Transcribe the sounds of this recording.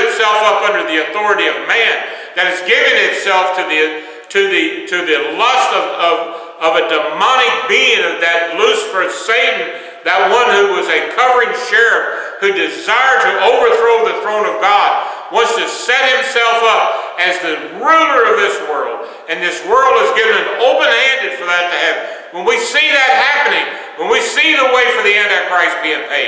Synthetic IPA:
ɨ̃msɛlˠfʌpʌ̃ndə˞ðiɨθɔɹɨɾiʌvmæ̃n | ðɨɾ̚ɨzɡɪvɨ̃ŋɨtsɛlˠftʰɨðɨ | ɾʰɨðɨɾɨðɨlʌstʌvʌv | ʌvɨdɨmɑñɨk̚b̥iɪ̃ŋʌvðɨt̚ˡlʉsfə˞seɪʔn̩ | ðɨt̚wʌ̃nhʉwʌzɨkʰʌvə˞ɪ̃ŋʃɛɹɨfhʉdɨzaɪə˞d̚tʰɨʔoʊvə˞θɹoʊðɨθɹõʊ̃nʌvɡɑd̚ | wʌ̃nz̥tʰɨsɛ̃t̚hɨ̃msɛlˠfʌp̚ɨzðɨ | ɹʉlˠə˞ʌvðɪswɜ˞lˠd | ɨ̃nðɪswɜ˞lˠd̚ɨzɡɪvɨ̃nɨ̃noʊpɨ̃nhæ̃ndɨd̥fə˞ðɨtʰɨɨv | wə̃nwisiðɨt̚hæpɨnɪ̃ŋ | wə̃nwisiðəweɪfɹʌ̃mðiɛ̃ndɨvkʰɹ̥aɪst̚b̥iɪ̃ŋpʰeɪ

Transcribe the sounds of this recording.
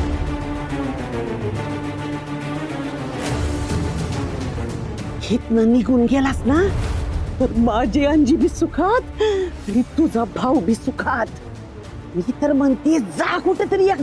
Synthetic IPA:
het̪naniɡuːnɡɛlasna | t̪əɾmad͡ʑiãɲd͡ʑiːbʱiːsukʰat̪əɽit̪ud͡zabʱawbʱisukʰat̪ | mit̪əɾmənt̪ed͡zakuʈət̪əɾijak

